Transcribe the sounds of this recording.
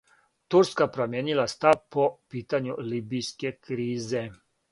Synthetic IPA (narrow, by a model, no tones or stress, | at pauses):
t̪uɾskapɾomjeːnilast̪awpɔpiːt̪anjuliːbijskɛkɾiːzɛ